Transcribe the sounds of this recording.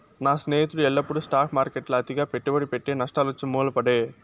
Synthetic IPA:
naːsneːjt̪ːɯɽɯɛlːɐpːuɽɯsʈaːfmaːɾkɛʈːɪlɐd̪ɪɣaːpɛʈːɯʋɐɽipɛʈːeːnɐʂʈaːlɐt͡ʃːɯmuːlɐpɐɽeː

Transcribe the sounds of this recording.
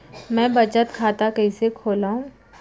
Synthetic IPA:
mɛ̃ːbɐt͡ʃət̪kʰaːt̪akɛɪsekʰoːlaːũː

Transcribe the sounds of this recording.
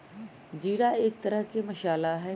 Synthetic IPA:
d͡ʒiːɽaeːk̚t̪ɐɾəɦkemɐʃaːlaɦɛː

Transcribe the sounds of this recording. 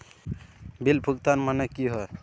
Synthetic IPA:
bilbʱuɡt̪anmanɛkiɦɔj

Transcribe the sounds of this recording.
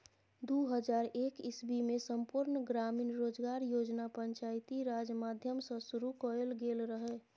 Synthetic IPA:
d̪uɦəd͡ʒaɾekisbimesəmpuɾnɡɾaminɾod͡ʒɡaɾjod͡ʒnapəɲt͡ʃajt̪iɾad͡ʒjmad̪ʱjəmsə̃suɾukɔɾelɡelɾəɦɛ

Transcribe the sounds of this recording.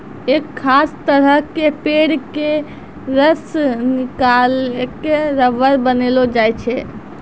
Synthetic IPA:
ekʰːast̪əɾəɦkepeɽke | ɾəsnikalkeɾəʋəɾbənelod͡ʒajt͡ʃʰɛ

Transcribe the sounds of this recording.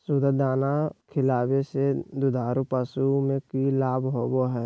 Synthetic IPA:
sud̪əd̪aːnakʰɪlaːbesed̪ʊd̪ʱaːɾupəsumẽkilaːbɦoːboɦɛː

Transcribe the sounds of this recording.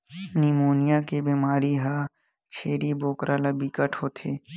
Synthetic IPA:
niːmoːnijakebiːmaːɾiɦa | t͡ʃʰeːɾiboːkɾʔaːlabikəʈʰɦoːt̪ʰeː

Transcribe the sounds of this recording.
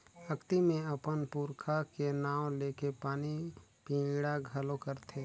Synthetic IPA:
əkt̪imẽəpənpuɾkʰakenaːw̃leːkepaːnipĩːɡɽaɡʱəlokəɾt̪ʰe

